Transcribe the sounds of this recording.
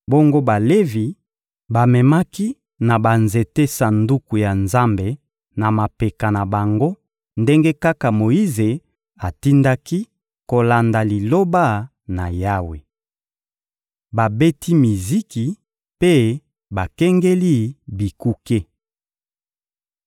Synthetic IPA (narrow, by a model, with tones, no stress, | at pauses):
bo˦ŋɡo˦ba˨le˦vi˨ | ba˨mɛ˨ma˦ki˦ | na˨ba˨nze˨te˦sa˨ndu˦ku˨ja˨nza˦mbe˨ | na˨ma˨pe˨ka˨na˨ba˨ŋɡo˦ | nde˦ŋɡe˦ka˦ka˨mo˨ji˦ze˨ | a˨ti˦nda˦ki˦ | ko˨la˨nda˨li˨lo˦ba˦˨ | na˨ja˦we˨ | ba˨be˦ti˦mi˨zi˦ki˨ | pe˦ | ba˨kɛ˦ŋɡe˦li˦bi˨ku˦ke˦